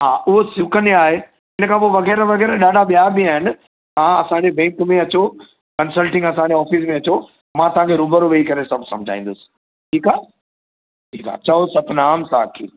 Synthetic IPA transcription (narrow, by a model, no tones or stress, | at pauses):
ɦaːʔʊɦosjʊkəneaːɦe | ɦɪnəkʰãːp̬oʋɐɣɛːɾʋɐɣɛːɾəɗaːɖʱaɓijaːbiaːɦɪnɪ̆ | t̪ɐãɐsãːɲd͡ʑebɛ̃ːŋkmẽɐt͡ɕo | kɐnsəlʈɪ̃ŋɡɐsãːɲd͡ʑeɔːfis̬mẽɐt͡ɕo | mãːt̪ɐɦãŋkʰeɾuːbəɾoʋeikɐɾesɐbʱsɐ̰̃md͡ʑʱa̰ːĩːnd̪osɪ̥ | ʈʰiːkaː | ʈʰiːka̰ːt͡ɕɐɦosɐt̪naːmsã̰ːkʰḭː